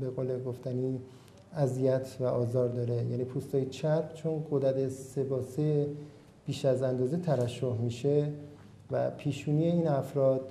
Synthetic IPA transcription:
be̞ɣoːleɡoft̪æniː | æzijæt̪ʰvæʔɒːzɒːɾd̪ɒːɾe̞jæːniːpʰuːst̪ɒːjet͡ʃʰæɾpt͡ʃʰonɡod̪æd̪ese̞bɒːse | b̥iːʃæzænd̪ɒːzet̪ʰæɾæʃːohmiːʃe̞ | væ̰pʰiːʃuːnije̞iːnæfɾɒːd̪̥

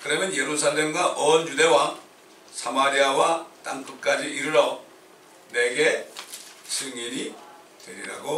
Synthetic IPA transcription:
kɯɾʌmjʌnje̞ɾusʰaɭːemɡwaʔʌnjude̞wa | sʰamaɾiawat̪͈aŋkɯk͈ad͡ʑiʔiɾɯɾʌ | ne̞ɡe̞ | sʰɯŋiɲi | t̪weɾiɾa̰ɡo

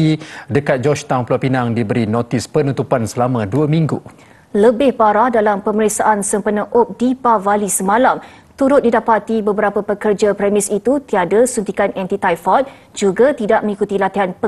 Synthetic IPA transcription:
idəkat̪̚d͡ʒɔt͡ʃt̪aŋplapinaŋdibəɾinot̪ispənut̪upansəlamãduəmĩŋɡṵ | ləbɪhbaɾahdalampəməɾiksaʔansəmpənəʔop̚dipavalisəmãlam | t̪uɾʊt̪̚didapat̪ibəbəɾapəpəkərd͡ʒapɾɛmisit̪ut̪iadasunt̪ikanɛnt̪it̪ajfɔt̪̚ | d͡ʒuɡat̪idaʔ̚mə̃ŋikut̪ilat̪iɦanpə

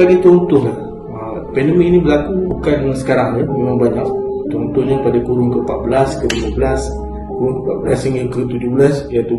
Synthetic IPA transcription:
aɡit̪uɾunt̪ʊhlah | ə | pɛndəmɪk̚nĩbəlakuukansə̥kaɾaŋnəmemaŋbaɲak̚t̪uɾunt̪ʊhɲapadakuɾʊŋkəpat̪̚bəlaskəliuməbəlas | kuɾʊŋkəpat̪̚bəlasiŋəkət̪ud͡ʒʊhbəlasjat̪u

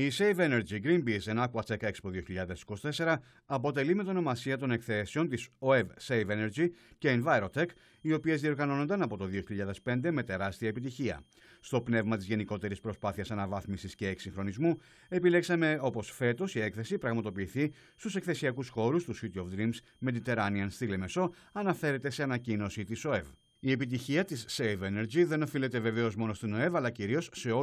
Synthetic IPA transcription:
isejve̞ne̞ɾd͡ʒiɡɾinbize̞nɐkuɐt͡sekekspoðio̞çiʎɐðe̞si̥kosi̥t̪e̞se̞ɾɐ | ɐpo̞t̪e̞limet̪ono̞mɐsiɐt̪o̞ne̞kθe̞se̞o̞nt̪iso̞evsejve̞neɾziceːnvɐjɾot̪ek | io̞pie̞zðio̞ɾɣɐno̞no̞nd̪ɐnɐpo̞t̪o̞ðio̞çiʎʎɐðe̞spe̞nd̪e̞me̞t̪e̞ɾɐst̪iɐepit̪içiɐ̰ | st̪o̞pne̞vmɐt̪izʝe̞niko̞t̪e̞ɾispɾo̞spɐθiɐsɐnɐvɐθmisisce̞ːksĩŋxɾo̞nizmu | e̞pile̞ksɐme̞o̞po̞sfe̞t̪o̞sie̞kθe̞sipɾɐɣmɐt̪o̞piːθi | st̪use̞kθe̞siɐkusxo̞ɾust̪usit̪iofd̪ɾims | me̞ðit̪e̞ɾɐniɐnst̪ile̞me̞so̞ | ɐnɐfe̞ɾet̪e̞se̞ɐnɐcino̞sit̪iso̞e̞v | ie̞pit̪̬içiɐt̪isːejve̞ne̞ɾd͡ʑiðe̞no̞file̞t̪e̞ve̞ve̞o̞zmo̞no̞st̪ino̞e̞vɐlɐciɾio̞sːe̞o

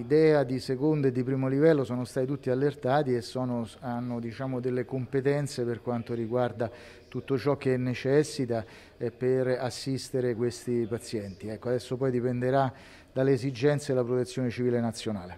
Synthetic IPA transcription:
id̪ɛːad̪isekond̪ed̪ːipɾiːmolivɛlːosɔːnost̪at̪it̪ut̪ːialːert̪aːt̪iesːɔːnoanːod̪it͡ʃaːmod̪elːekompet̪ɛnt̪seperkwant̪oɾiɡward̪a | t̪ut̪ːot͡ʃɔk̟ːeɛnːet͡ʃɛsːit̪a | ɛperasːist̪eɾekwest̪ipat̪sjɛnt̪iɛkːoad̪ɛsːopɔjd̪ipend̪eɾa | d̪alːeːzid͡ʒɛnt̪sed̪elapɾot̪et̪sːjoːnet͡ʃiviːlenat̪sːjonaːle

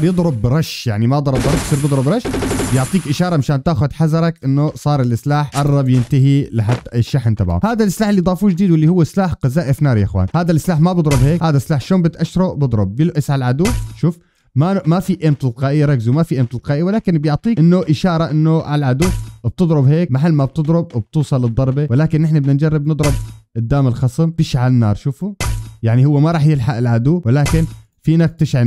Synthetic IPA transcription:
ɾjɨd̪ˤɾʊbɾˤɑʃjaʕnimad̪ˤɾˤɑbɑɾˤɑksɪɾbɨd̪ˤɾʊbɾˤɑʃbjʊʕt̪ˤiːkʔɪʃɑːɾˤɑmaʃaːnt̪aːxʊd̪ħazɑɾˤɑkʔɪnːʊsˤɑːɾˤɪlʔɪslaːħʔɑrˤːɑbjɪnt̪aɦilɪħat̪ːɪʃːaħnt̪ˤɑbʕʊ̰haːd̪alʔɪslaːħɪlːijd̪ˤɑːfuːd͡ʒɪd̪iːd̪wɪlːihʊwːslaːħqɑzaːʔɪfnaːɾjaxwa̰ːnhaːd̪alʔɪslaːħmabɨd̪ˤɾˤʊbheːkhaːd̪aslaːħʃloːmbɪt̪ʔaʃɾˤoʔbɨd̪ˤɾˤʊb̚ːɪlʔɪsʕalʕad̪uːʃuːf | mamafiʔeːmt̪ˤɪlqɑːʔjːɾˤɑɡzumafiʔeːmt̪ɪlqɑːʔɪjːawɪlaːkɪnbjʊʕt̪ˤiːʔɪnːʊʔɪʃɑːɾˤɑʔɪnːʊʕalʕad̪uːb̚t̪ɨd̪ˤɾʊbheːkmaħalːmab̚t̪ɨd̪ˤɾʊb̚wɪb̚t̪uːsˤɑlːɨd̪ˤːɑɾˤbewɪlaːkɪnʔɪħnabnɪnd͡ʒɑrˤːɪbnɨd̪ˤɾˤʊbɪd̪ːaːmɪlxɑsˤɪmt̪ɪʃʕalɪnːɑ̰ːɾˤʃuːfujaʕnihʊwːemaɾˤɑːħjɪlħaʔɪlʕad̪uːwɪlaːkɪn | fiːnak̚t̪ɪʃʕan

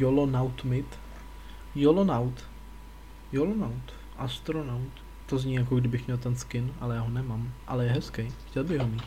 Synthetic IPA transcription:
jolonawt̪mɪt̪ | jolonawt̪ | jolonawt̪ | ʔast̪ɾonawt̪ | t̪ozɲiːjakoɡdɪbɪxmɲɛlt̪ɛnskɪnʔalɛjaːɦonɛmamʔalɛjɛɦɛskɛjxcɛlbɪɣɦomiːt̪

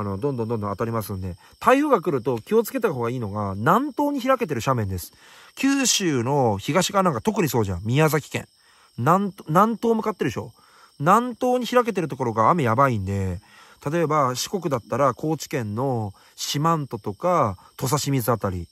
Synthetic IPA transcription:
no̞d̪õnd̪õ̞d̪ondõat̪aɾʲimasɨ̃nd̪e̞ | t̪aioɡakɯ̟ɾɯ̟t̪o̞kʲio̞t͡sɨ̥ke̞t̪aɦo̞ːɡaiːno̞ɡanãnt̪o̞ːɲ̟içiɾake̞t̪̬e̞ɾɯ̟ɕamẽ̞nd̪e̞sɨ̥ | kʲɨːɕɨːno̞çiɡaɕi̥ɡanãŋkat̪o̞kɯ̟ɲ̟iso̞ːʑã̰mʲiazakʲi̥kẽ̞̰ŋ | nannãnt̪o̞ːmɯ̟kat̪ːe̞ɾɯɕo̞̰ | nãnt̪o̞ːɲ̟içiɾake̞t̪̬e̞ɾɯ̟t̪̬o̞ko̞ɾo̞ɡaːme̞jabaĩnd̪e̞ | t̪ʰat̪o̞ebaɕi̥ko̞kɯ̟d̪at̪ːaɾakʰo̞ːt͡ɕi̥kẽ̞nːo̞ | ɕimãnt̪o̞t̪o̞kat̪o̞s̬aɕimʲizɨat̪aɾʲḭ

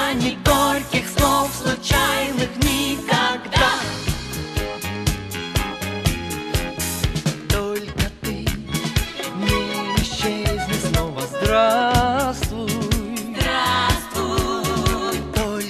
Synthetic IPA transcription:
nʲɪt̪olʲkʲɪxslˠofslˠʊt͡ɕajnɨxnʲɪkɐɡd̪a | t̪olʲkət̪ɨ | nʲɪɪɕːezʲnʲɪsnovəzd̪ɾasvu | ɾasu | t̪olʲ

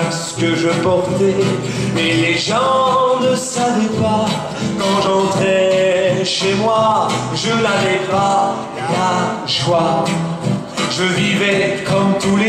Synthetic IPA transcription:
kskəʒəpɔʁt̪ɛ | eleʒɑ̃nəsavɛpa | kɑ̃ʒɑ̃t̪χɛ | ʃemwaʒənavɛpa | la | ʒwa | ʒəvivɛkɔmt̪ule

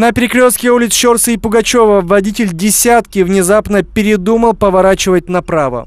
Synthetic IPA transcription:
nəpʲɪɾʲɪkɾʲost̪kʲɪulʲɪt̪sʃo̞rsɨipʊɡɐt͡ɕo̞vəvɐdʲitʲɪlʲdʲɪsʲat̪kʲɪvnʲɪzapnəpʲɪɾʲɪd̪uməlˠpəvɐɾat͡ɕɪvət̚ʲnɐpɾavə̰

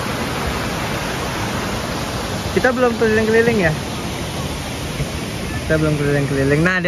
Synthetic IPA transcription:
kit̪abəlʊmkəlilɪŋkəlilɪŋja | kit̪abəlʊmkəlilɪŋkəlilɪŋnad

